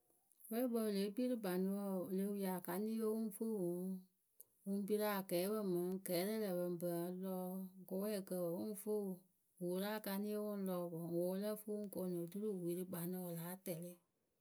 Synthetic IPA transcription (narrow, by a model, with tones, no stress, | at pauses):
bə˦ɾbɔ˧˨le˨˦bi˦ɾɨ˦ba˨nĩ˧wɔ˦˨le˨˦wu˦ja˨ka˨nĩ˦o˦wũ˦fo˦˨wũ˨˦ | wũ˧˦bi˦ɾa˦˨kɛː˨˦bə˦˨mã˨˦kɛː˨˦lɛ˦lə˨bə˧m˨bə˨˧˦lɔː˦ko˧˦wɛ˦˨kə˧˨ə˨wũ˦fo˦˨ | wu˨˦ɾa˦˨ka˧nĩ˦o˦wũ˦lɔː˧˦bɔ˨ŋwo˨˦lə˦fo˦u˦ŋ˦ko˧˨nõ˨tu˦ɾu˦˨wi˨ɾɨ˦ɡ͡ba˨nĩ˨˧wɔ˨laː˨˦tɛ˨le˦